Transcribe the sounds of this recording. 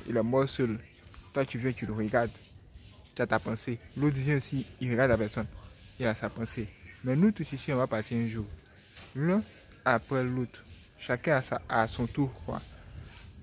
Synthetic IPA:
ḛlɛmɔsol | t̪wat͡ʃyvjɛ̃t͡ʃideɦeɡad̪ | t̪at̪apãselot̪vjɛ̃osiiɾeɡad̪apɛsɔnelasapãsemɛ̃nũt̪usisĩɛ̃vapat̪jɛ̃ʒu | l̃ɔ̃ | apɾɛlot̪ | ʃakɛ̃saasɔ̃t̪uxoa̰

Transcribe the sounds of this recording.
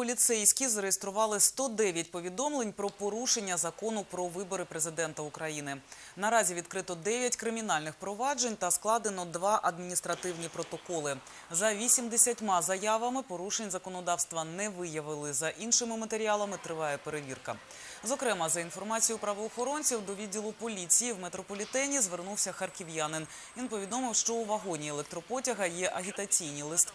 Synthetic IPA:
pɔlʲit̪sɛjsʲkʲizɐɾejest̪ɾʊʋɑlˠɪst̪ɔd̪ɛʋʲjɐtʲpɔʋʲid̪ɔmlˠenʲpɾɔpɔɾuʃenʲːɐzɐkɔnʊpɾɔʋɪbɔɾɪpɾezɪd̪ɛnt̪ɐʊkɾɐjinɪ | nɐɾɑzʲiʋʲid̪kɾɪt̪ɔd̪ɛʋʲjɐtʲkɾɪmʲinɑlʲnɪxpɾɔʋɑd͡ʒenʲt̪ɐsklˠɑd̪enɔd̪ʋɑʔɐd̪mʲinʲist̪ɾɐt̪ɪwnʲipɾɔt̪ɔkɔlˠɪ | zɐʋʲisʲimd̪esʲɐtʲmɑzɐjɑʋɐmɪpɔɾuʃenʲzɐkɔnɔd̪ɑwst̪ʋɐnɛʋɪjɐʋɪlˠɪzɐʔinʃɪmɪmɐt̪eɾʲiɑlˠɐmɪt̪ɾɪʋɑjɛpe̞ɾeʋʲirkɐ̰ | zɔkɾɛmɐzɐin̪fɔrmɑt͡sʲijʊpɾɐʋɔːxɔɾɔnʲt͡sʲiwd̪ɔʋʲidʲːilˠʊpɔlʲit͡sʲijiwmet̪ɾɔpɔlʲit̪ɛnʲizʋernuwsʲɐxɐrkɪʋjanɪn | ʋʲinpɔʋʲid̪ɔmɪwʃt͡ʃɔuʋɐɦɔnʲielˠɛk̚t̪ɾɔpɔtʲɐɦɐjɛʔɐɦʲit̪ɐt͡sʲijnʲilˠɪst̪

